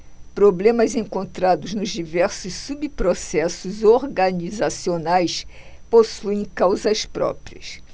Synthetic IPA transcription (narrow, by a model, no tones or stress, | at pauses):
pɾoblẽmɐzẽkõnt̪ɾad̪ʊznʊzd͡ʒivɛɾsʊsːubpɾosɛsʊzoɾɡɐnizasionajs | posuẽj̃kawzɐspɾɔ̰pɾiɐs